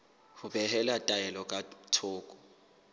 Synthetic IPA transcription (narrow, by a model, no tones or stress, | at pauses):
hubɛhɛlatʼajɛlɔkʼatʰʊːkʼɔ̥